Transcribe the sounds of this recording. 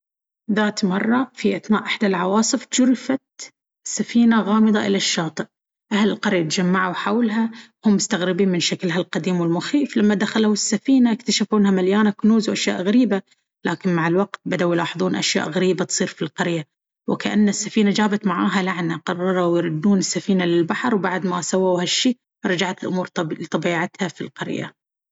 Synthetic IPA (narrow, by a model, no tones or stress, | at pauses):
ðaːt̪mɑrˤːɑfiʔaθnaːʔɪħd̪alʕɑwɑːsˤɨfd͡ʒʊɾɪfat̪ | sːafiːnaɣɑːmɨd̪ˤɑʔɪlaʃːɑːt̪ˤɨʔ | ʔahlɪlqɑɾjat̪d͡ʒamːaʕaħawlɦa | hʊmːʊst̪aɣɾɪbiːmɪnʃaklɦalqɑd̪iːmwɪlmʊxiːflamːad̪axalhɪsːafiːnajɪk̚t̪aʃafuːnhamaljaːnakʊnuːzwʔaʃja̰ːʔɣaɾiːba | laːkɪnmaʕɪlwaqt̪̚bad̪awjlɑːħɨðˤuːnʔaʃja̰ːʔɣaɾiːbat̪sˤiːɾfilqɑɾja | wɪkaʔanːasːafiːnad͡ʒaːbat̪maʕaːɦalaʕnaqɑrˤːɑɾˤawjɾˤʊd̪ːuːnɪsːafiːnalɪlbaħɑɾˤwbaʕd̪masawawhaʃːiː | ɾˤɑd͡ʒaʕat̪ɪlʔʊmuːɾt̪ˤɑbiːʕat̪hafḭlqɑ̰ɾja̰